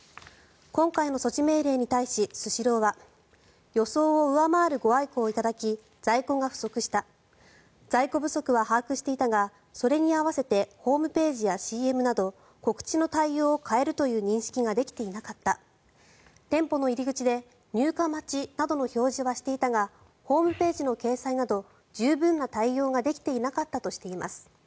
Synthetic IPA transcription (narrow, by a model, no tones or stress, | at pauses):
kõ̞ŋkaino̞so̞t͡ɕime̞ːɾe̞ːɲ̟it̪aiɕisɨɕiɾo̞ːβa | jo̞so̞ːoɯ̟amaːɾɯ̟ɡo̞aikoːit̪ad̪akʲi | z̥aiko̞ɡaɸɯ̟̥so̞kɯ̟ɕi̥t̪a | z̥aiko̞bɯ̟so̞kɯ̟β̞ahaːkɯ̟ɕi̥t̪e̞it̪aɡa | so̞ɾe̞ɲ̟iaβase̞t̪e̞ho̞ːmɯ̟pe̞ːʑijaɕiːe̞mɯ̟nad̪o̞ | ko̞kɯ̟̥t͡ɕino̞t̪aijo̞ːkʰae̞ɾɯ̟t̪o̞jɯ̟ːɲ̟ĩɰ̃ɕi̥kʲiɡad̪e̞kʲi̥t̪e̞inakat̪ːa | t̪ẽ̞mpo̞no̞iɾʲiɡɯ̟t͡ɕid̪e̞ | ɲ̟ʲɨːkamat͡ɕinad̪o̞no̞ço̞ːʑiβaɕi̥t̪e̞it̪aŋa | ho̞ːmɯ̟pe̞ːʑino̞ke̞ːsainad̪o̞ | d͡ʑɨːbɯ̟̃nːat̪aijo̞ːɡad̪e̞kʲi̥t̪e̞inakat̪ːat̪o̞ɕi̥t̪e̞ima̰sɨ̥